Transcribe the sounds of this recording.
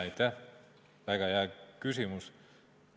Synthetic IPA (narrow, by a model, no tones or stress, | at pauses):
ɑjt̪ːæh | væɡ̥ɑhæːkys̬imus